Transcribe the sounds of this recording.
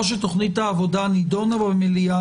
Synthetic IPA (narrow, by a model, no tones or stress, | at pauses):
ʃ̬et̪oχnit̪haːvod̪anid̪onabemilia